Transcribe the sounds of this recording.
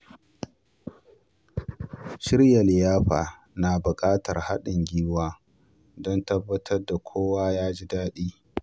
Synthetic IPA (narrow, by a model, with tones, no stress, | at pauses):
ʃɪ˦rja˨lɪ˨jaː˦ɸaː˨ | na˨bʊ˨kʼaː˦tɐ˨rha˦ɗɪ˨ŋɡʲiː˦waː˦ | dɔ˦ntɐ˦bːɐ˦tʰɐ˦rda˨kʷʰoː˦waː˦jaː˦d͡ʒi˦daː˦ɗiː˦